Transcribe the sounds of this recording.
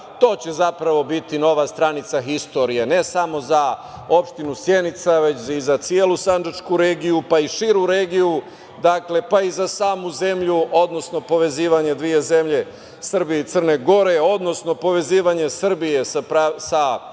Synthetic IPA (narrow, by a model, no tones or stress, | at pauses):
t̪o̞ːt͡ɕe̞zapɾaʋo̞bit̪ino̞ʋast̪ɾanit̪saxist̪o̞ɾijene̞samo̞za | o̞pʃt̪inusje̞nit̪saʋe̞t͡ɕizat̪sijelusandat͡ʃkuɾeːɡijupaiʃiɾuɾeːɡiju | d̪akle̞paizasaːmuze̞mʎuo̞d̪no̞sno̞po̞ʋe̞ziːʋaɲe̞d̪ʋie̞ze̞mʎe̞ | sr̩bijeit̪sərne̞ɡo̞ɾe̞o̞d̪no̞sno̞po̞ʋe̞ziːʋaɲe̞sr̩bije̞spɾasa